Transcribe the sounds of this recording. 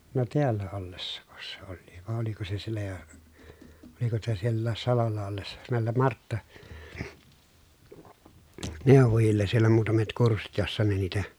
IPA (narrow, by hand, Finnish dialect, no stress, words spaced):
no teælːæ olːesːɑko se olːiːʋ ʋɑˑe oliko se sielːæ jo oliko sitæ sielːæːs sɑlolːɑ olːesːɑ næˑelːem mɑrtːɑ neˑoʋojilːes sielæ muːtɑmet kursːit josːɑ ne niːtæ